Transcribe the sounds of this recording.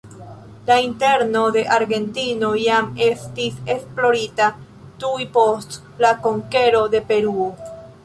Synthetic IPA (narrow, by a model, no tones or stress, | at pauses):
lainte̞ɾno̞d̪e̞ʔaɾɡe̞ntino̞jame̞stise̞splo̞ɾita | tujpo̞st | lakoŋke̞ɾo̞d̪e̞pe̞ɾuo